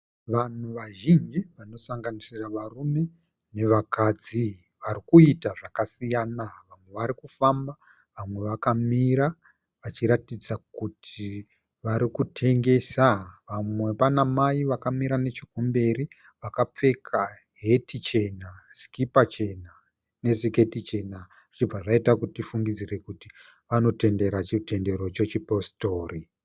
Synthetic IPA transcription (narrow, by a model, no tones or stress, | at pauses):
ʋan̤uʋaʒind͡ʒiʋano̞saŋɡanisiraʋarume̞ | ne̞ʋakad͡zi | ʋarikuitaʐakasijaːnaʋamwe̞ʋaɾikufamba | ʋamwe̞ʋakamiɾa | ʋat͡ʃiɾatid͡zakutʰi | ʋaɾikutʰe̞ŋɡe̞saʋamwe̞ʋanamaiʋakamiɾane̞t͡ʃikombe̞ɾi | ʋakap͡fe̞kʰaɦe̞tit͡ʃe̞naskipat͡ʃe̞na | ne̞zike̞tit͡ʃe̞na | ʐ̥ib͡vaʐaitakutifuŋɡid͡zire̞kuti | ʋano̞te̞nde̞ɾat͡ʃite̞nde̞ɾo̞t͡ʃe̞t͡ʃipo̞sto̞ːri